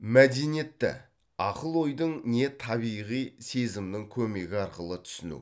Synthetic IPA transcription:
mæd̪e̞nije̞t̪ːɪ̰ | ɑqəlˠo̞jd̪əɴne̞t̪ʰɑβijʁijse̞zɪmnɪŋkʲʰɵme̞ɡʲɪɑɾqəlˠət̪ʰʏ̥sɪnṵ

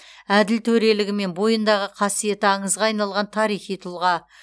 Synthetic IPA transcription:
æd̪ɪlt̪ʰɵɾe̞lɪɡʲɪme̞nbo̞jənd̪ɑʁəqʰɑsije̞t̪ɪɑɴəzʁɑɑjnɑlˠʁɑnt̪ʰɑɾijχijt̪ʰʊlˠʁɑ

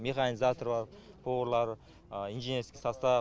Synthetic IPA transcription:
meχanizat̪ʰo̞ɾbɑɾ | pʰoʁɾlˠɑɾ | inʒenʲeɾskʲesɑst̪ɑ

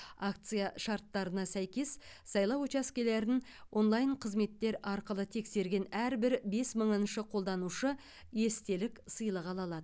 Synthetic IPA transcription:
akt̪sɨjaʃɑɾt̪ːɑɾənɑsæjkʲe̞s | sɑjlˠɑwt͡ʃɑskʲeleɾɪn | wʔo̞nlˠɑjɴqʰəzme̞t̪ːe̞ɾɑɾqəlˠət̪ʰe̞kse̞ɾɡʲe̞næɾbɪɾbe̞sməɴənʃəqʰo̞lˠd̪ɑnuʃə | je̞st̪e̞lɪksəjlˠəʁɑlˠɑlˠɑd̪ə

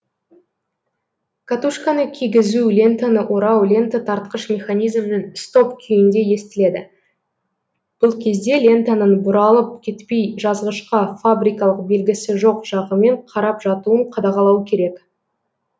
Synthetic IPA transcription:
kʰat̪uʃkanəkʲʰiɡʲɪzulʲe̞nt̪anəʔo̞ɾɑwlʲe̞nt̪at̪ʰɑɾt̪qəʃmʲe̞χanʲijzmɪnɪnst̪o̞pkʲʰʏjɪnd̪e̞je̞st̪ɪle̞d̪ɪ | b̥ʊlˠkʲʰe̞zd̪e̞lʲe̞nt̪anənbʊɾɑlˠəp̚kʲʰe̞t̪pe̞jʒɑzʁəʃqɑfabɾʲijkɑlˠəqbe̞lɡʲɪsɪʒo̞qʒ̥ɑʁəme̞ɴqʰɑɾɑpʒɑt̪uəɴqʰɑd̪ɑʁɑlˠɑwkʲʰe̞ɾe̞k

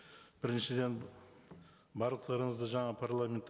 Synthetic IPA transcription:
b̥ɪɾɪnʃɪd̪e̞n | bɑɾlˠəq̚t̪ɑɾəɴəzd̪əʒɑɴɑpʰarlˠamʲe̞nt̪ː

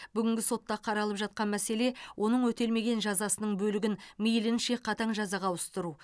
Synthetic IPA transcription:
b̥ʏɡʲɪŋɡʲɪso̞t̪ːɑqʰɑɾɑlˠəpʒɑt̪̚qɑnmæse̞lewʔo̞nəɴwɵt̪e̞lme̞ɡʲe̞nʒɑzɑsənəɴbɵlɪɡʲɪnmijlɪnʃe̞qʰɑt̪ɑɴʒɑzɑʁɑwʊst̪əɾu

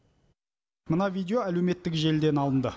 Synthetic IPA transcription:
mənɑvʲijd̪ʲeoæle̞wme̞t̪ːɪkʒe̞ld̪enɑlˠənd̪ə

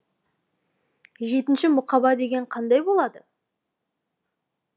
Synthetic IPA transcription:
ʒe̞t̪ɪnʃɪmʊqɑbɑd̪e̞ɡʲe̞ɴqʰɑnd̪ɑjbo̞lˠɑd̪ə

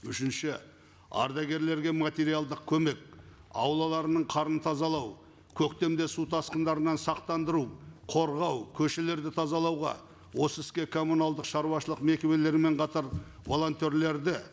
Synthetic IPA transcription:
ʏʃɪnʃɪ | ɑ̰ɾd̪ɑɡʲe̞ɾle̞ɾɡʲe̞mat̪ʲe̞ɾijalˠd̪əq̚kʲʰɵme̞k̚ | ɑ̰wlˠɑlˠɑɾənəɴqʰɑɾənət̪ʰɑzɑlˠɑw | kʲʰɵkt̪e̞md̪e̞sut̪ʰɑsqənd̪ɑɾənɑnsɑqt̪ɑnd̪əɾuwqʰo̞ɾʁɑwkʲʰɵʃe̞le̞ɾd̪ɪt̪ʰɑzɑlˠɑwʁɑ̰ | wo̞səɪskʲe̞kʰo̞mːunɑlˠd̪əqʃɑɾuwɑʃəlˠəqme̞kʲe̞be̞le̞ɾɪme̞ɴqʰɑt̪ɑɾvo̞lˠo̞nt̪ʲe̞ɾle̞ɾd̪ɪ

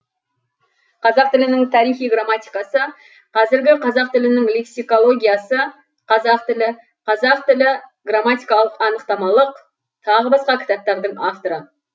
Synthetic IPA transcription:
qʰɑzɑq̚t̪ɪlɪnɪŋt̪ʰɑɾijχijɡramat̪ijkɑsə | qʰɑzɪɾɡʲɪqʰɑzɑqt̪ɪlɪnɪŋlˠeksijko̞lˠo̞ɡʲijasə | qʰɑzɑq̚t̪ɪlɪ | qʰɑzɑqt̪ɪlɪɡramat̪ijkɑlˠəqɑnəqt̪ɑmɑlˠəq | t̪ʰɑʁəbɑsqɑkʲʰɪ̥t̪ɑp̚t̪ɑɾd̪əɴaft̪oɾə

